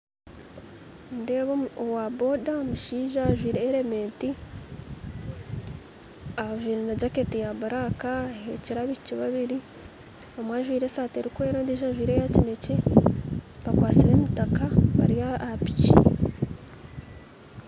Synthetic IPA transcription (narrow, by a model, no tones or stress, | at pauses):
ndeːβoowabo̞daomuʃiːʒaːʒwiːɾeːɾe̞me̞ːnti | aʒwiːɾenaɟaketijaβuɾakaeciɾaβiciβaβiɾi | omwaʒwiːɾesaːteɾikwe̞ːɾandiːʒaʒwiːɾe̞jacine̞ce̞ | βakwaːt͡siɾe̞ːmutakaβa̰ɾiaapi̥ci